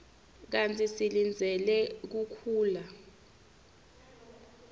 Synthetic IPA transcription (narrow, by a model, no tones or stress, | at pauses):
k̬ant͡sʼisilind͡zʱɛlɛk̬ukʰuːla